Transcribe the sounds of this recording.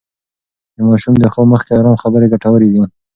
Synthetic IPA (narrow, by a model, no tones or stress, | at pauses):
d̪əmɑʃumd̪əxowməxkeaɾamxabəɾeɡaʈawəɾed̪i